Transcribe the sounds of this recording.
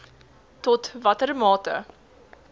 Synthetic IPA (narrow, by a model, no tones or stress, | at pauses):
tɔtvɐtəɾəmɑːtə̰